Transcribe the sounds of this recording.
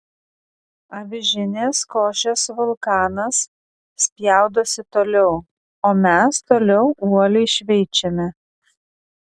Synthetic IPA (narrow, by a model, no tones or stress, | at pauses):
ɐʋʲɪʒʲɪnʲeːskoːʃʲesʋʊlˠkɑːnɐs | sʲpʲjæˑʊd̪oːsʲɪt̪oːlʲɛʊ | oːmʲɛst̪oːlʲɛʊʔuɔlʲɛɪʃʲʋʲɛɪt͡ʃʲɛmʲɛ